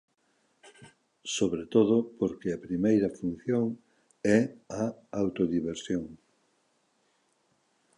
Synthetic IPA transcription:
soβɾet̪oð̞opoɾkeɐpɾimejɾɐfun̟θjoŋ | ɛaawt̪oðiβ̞eɾsjoŋ

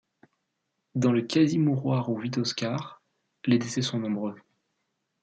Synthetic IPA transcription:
d̪ɑ̃ləkʲazimuʁwaʁuvit̪ɔskʲaʁ | led̪esɛsɔ̃nɔ̃bʁø

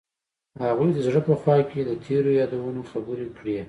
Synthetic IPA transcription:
haɣujd̪əzɽəpəxwɑked̪ət̪ʰeɾojɑd̪awanoxabəɾekɽe

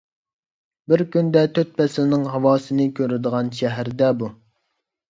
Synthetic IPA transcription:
bɪɾkʲynd̪ɛt̪ʰøt̪̚pɛsɪlnɪŋɦɑwɑːsɨnɪkʲʰøɾɪd̪əʁɑnʃɛɦæɾd̪ɛbu

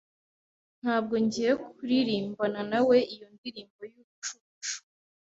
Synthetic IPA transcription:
n̥haːb̚ɡo̞ɲɟiɾekuɾiɾiːmbananawe̞ijondiɾiːmbo̞juːβut͡ʃuβuʃu̥

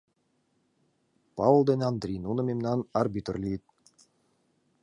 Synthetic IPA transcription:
pɑv̆lˠd̪enʲɑnd̪ɾʲijnunɤ̆mʲemnɑnɑrbʲit̪̆rlʲijt̪̚

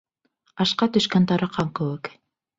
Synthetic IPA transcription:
ɑʃqɑt̪ɵʃkænt̪ɑɾɑqʰɑŋkɵwɘk

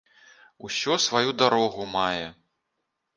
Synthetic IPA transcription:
usʲɔsvajud̪aɾɔɣumajɛ

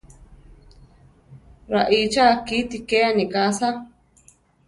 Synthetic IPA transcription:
ɾaʔit͡ʃakiːt̪ikeanĩkasa

